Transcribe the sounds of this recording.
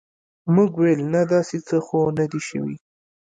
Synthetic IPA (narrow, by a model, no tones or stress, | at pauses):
muɡwelnad̪ɑset͡səxonad̪iʃə̰wḭ